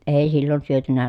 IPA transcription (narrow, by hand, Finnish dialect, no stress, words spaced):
eˑi silːon syøtynæ